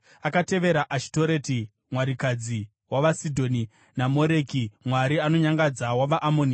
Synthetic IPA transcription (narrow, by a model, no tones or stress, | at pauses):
akate̞ʋe̞ɾaʔaʃi̥toɾeti | mwaɾikad͡zi | waʋasidʱo̞ni | namo̞ɾekimwaɾiano̞ɲaŋɡad͡zawaʋaʔamoni